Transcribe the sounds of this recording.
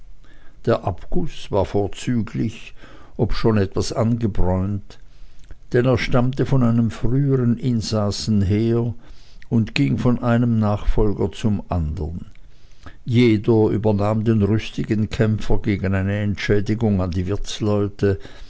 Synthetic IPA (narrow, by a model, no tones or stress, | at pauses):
d̥eːɐʔapɡ̥ʊsv̥aːɐfoːɐt͡syːɡlɪçʔɔpʃoːnɛtv̥asanɡəbʁɔʏnt | d̥ɛneːɐʃtamtəfɔnaɪnəmfʁyːəʁənʔɪnzaːsn̩ɦeːɐʊntɡ̥ɪŋfɔnʔaɪnəmnaːχfɔlɡɐt͡sʊmʔandəʁn | jeːdɐʔy̰ːbɐnaːmdeːnʁʏstɪɡənkʰɛmfɐɡeːɡənaɪnəɛntʃɛːdɪɡʊŋandiːvɪɐt͡slɔʏtə